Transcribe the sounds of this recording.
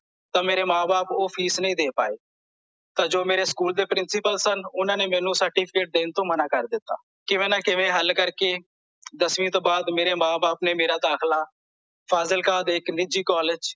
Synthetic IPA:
t̪ãːmeːɾeːmãːbaːpoːpʰiːsnəĩːd̪eːpaːḛː | t̪ãːd͡ʒoːmeːɾeːskuːld̪eːpɾɪnsɪpəlsənʊnãːneːmɛ̃ːnũːsəɾʈiːpʰɪkeːʈ̚d̪eːnt̪õːmənaːkəɾd̪ɪt̪ːa̰ː | kɪʋẽːnaːkɪʋẽːɦəlkəɾkeː | d̪əsʋĩːt̪õːbaːd̪meːɾeːmãːbaːpneːmeːɾaːd̪aːkʰlaː | pʰaːzəlkaːd̪ːkniːd͡ʒiːkɔːlɪd͡ʒ

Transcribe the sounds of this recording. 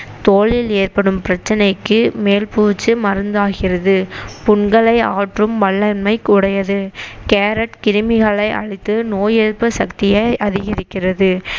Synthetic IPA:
t̪oːɭɪleːrpɐɽɯmpɪɾɐt͡ʃːɐnɐɪkːɯmeːlpuːt͡ʃːɯmɐɾɯnd̪aːɣɪrɐðɯpʊɳɡɐɭɐɪaːʈrɯmʋɐɭːɐnmɐɪkʊɽɐjɐðɯkeːɾɐʈkɪɾɯmɪɣɐɭɐɪʔɐ̰ɻɪt̪ːɯnoːjeðpːɐsɐkt̪ɪjɐɪʔɐðɪɣɐɾɪkːɪrɐðɯ

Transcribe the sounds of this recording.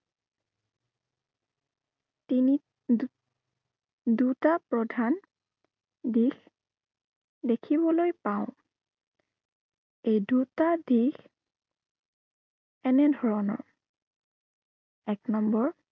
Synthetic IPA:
tini | dutapɹɔdʱan | dix | dekʰibɔlojpaʊ̃ | ejdutadix | ɛnɛdʱɔɹɔnɔ̰ɹ | ɛknɔmbɔɹ

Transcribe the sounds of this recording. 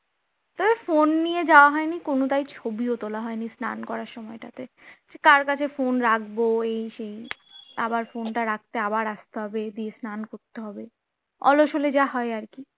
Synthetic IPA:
t̪ɔbefonːijed͡ʑaoaɦɔenikonot̪ajt͡ɕʰobiot̪olaɦɔenisna̰nkɔɾaɾʃɔmɔeʈat̪e | ekaɾkat͡ɕʰefonɾakʰboejʃejabaɾfonʈaɾak̚t̪eabaɾast̪eɦɔbed̪iesnankoɾt̪eɦɔbe | ɔ̰loʃoled͡ʑaɦɔeaɾki

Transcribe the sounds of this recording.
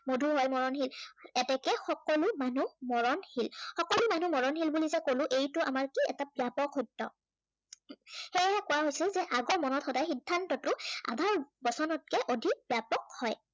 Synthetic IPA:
modʱuɦɔjmɔɹɔnɦilɛtɛkɛxɔkɔlʊmanumɔɹɔnhilxɔkɔlʊmanumɔɹɔnxilbulizɛkolʊ̃ʔejtʊʔa̰maɹkiɛ̰tabijapɔkhojtːɔ | xejɛkʊwaɦojsilzɛʔaɡɔɹmɔnɔtxɔdajxidʱːantɔtʊa̰dʱaɹɔbɔsɔnɔt̚kɛʔodʱibjapɔk̚hɔj

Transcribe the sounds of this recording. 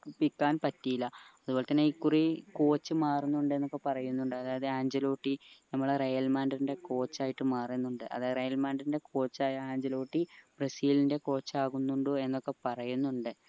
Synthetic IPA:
pikːaːnpɐtːijilːɐɐðubo̞ːlɭet̪ɐnːeiːkːuriko̞ːt͡ɕːɨmaːrunːuɳɖɨe̞nːo̞kːe̞pɐrɐjunːuɳɖɨɐðaːjɐðɨaːɲd͡ʑɐlo̞ːʈːinɐmːɐɭrejɐlmaːndɐɾinde̞ko̞ːt͡ɕːaːjiʈːɨmaːrenːuɳɖɨʔɐ̰ðaːjrejɐlmaːnɖɐɾinde̞kʰo̞ːt͡ɕːaːjɐaːɲd͡ʑɐlo̞ːʈːib̥rɐsiːlinde̞ko̞ːt͡ɕːaːɣunːuɳɖɨe̞nːo̞kːe̞pɐrɐjunːuɳɖɨ

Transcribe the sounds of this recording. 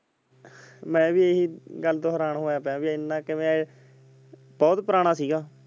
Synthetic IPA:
mɛ̃ːbiːeːɦiːɡəlːt̪õːɦəɾaːɳɦoːjaːpɛ̃ːbiːɪnːãːkɪmɛ̃ː | bɔːt̪pəɾaːɽ̃ãːsiːɡaː

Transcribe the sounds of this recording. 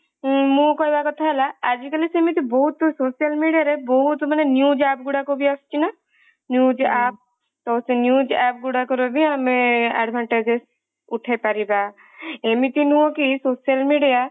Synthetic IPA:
mũkɔɾbakɔt̪ʰaɦɛlaad͡ʒikəlisemit̪̬ibɔɦut̪ːososijəlmiɖijaɾebɔɦut̪manenjud͡ʒap̚ɡuɽakobʱiast͡ʃʰina | njud͡ʒaːp̚ | t̪ɔsenjud͡ʒɛp̚ɡuɽakɔɾobʱiamẽa̰ɖbʱaɳʈed͡ʒes | uʈʰapaɾiba | emit̪inɦuõkisosijəlmiɖija

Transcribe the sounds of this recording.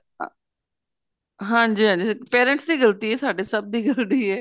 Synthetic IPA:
ɦãːɲd͡ʒiːɦãːɲd͡ʒiːpɛːɾə̃ɳʈsd̪iːɡəlt̪iːɛːsaːɖeːsəb̚d̪iːɡəld̪iːɛː

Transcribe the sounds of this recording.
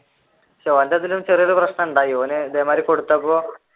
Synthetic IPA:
t͡ɕeʋɐnd̪ɐðilumt͡ɕerijɐɾuprɐɕnɐuɳɖaːjioːned̪eːmaːɾiko̞ɽut̪ːɐpːoː

